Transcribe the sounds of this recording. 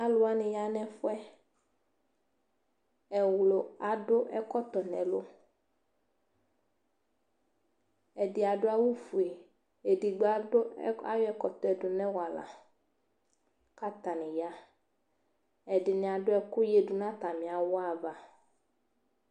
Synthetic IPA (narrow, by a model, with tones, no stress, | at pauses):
a˦lʊ˦a˦nɪ̃˨ja˦nɛ̃˦fʊ˦ɛ˦ | ɛ˨wlo˨a˨ɖʊ˦ʔɛ˦kɔ˦t̪ɔ˨nɛ̰̃˨lo˦ | ɛ˨dɪ˨a˨ɖʊ˦a˦wu˦fu˨e˨ | e˨di˨ɡ͡ba˨ʊ˦a̰˨jʊ˦ɛ˦kɔ˨t̪ɔ˨ɛ˨ɖʊ˨nɛ̃˦wa˨la̰˨ | ka˦t̪a˨nɪ̃˨ja˦ | ɛ˨dɪ˨nɪ̃˨a˨ɖʊ˦ɛ˨ku˦je˨ɖʊ˨nã˦t̪a˨mĩ˨a˨wʊ˦a˨va˨